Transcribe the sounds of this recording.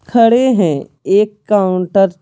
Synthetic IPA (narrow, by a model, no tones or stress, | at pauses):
kʰɐɽeɦɛ̃ | eːkːaːʊɳʈəɾ